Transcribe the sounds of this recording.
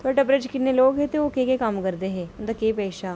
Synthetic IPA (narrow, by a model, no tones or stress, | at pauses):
t̪oaːʈaːpɾəd͡ʒkɪnːeːloːɡɦɛːt̪eːoːkekekəmkəɾd̪eːɦɛ̃ːʊnd̪aːkeːpɛːʃaː